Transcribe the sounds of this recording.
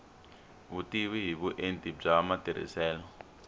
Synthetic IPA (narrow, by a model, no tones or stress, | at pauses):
utiwiɦiɓuʔentʼib͡ʐaːmad̥ʱiɾ̤ḭsɛːlɔ